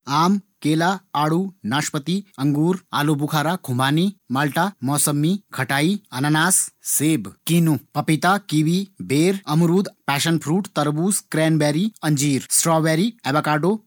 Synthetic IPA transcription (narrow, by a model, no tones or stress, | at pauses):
aːmkeːlaaːɽunaːʃpət̪iɐŋɡuːɾa̰ːlobukʰaːɾakʰumbaːnimaːlʈamɔːsɐmːikʰɐʈaːiɐnanaːsːeːbkinupɐpit̪akiːʋibeːɾɐmuɾuːd̪pɛːʃənpʰɾuːʈt̪ɐɾbuːskɾɛːnbɛːɾiɐɲd͡ʒiːɾsʈɾɔːbɛːɾiɛbakaːɖo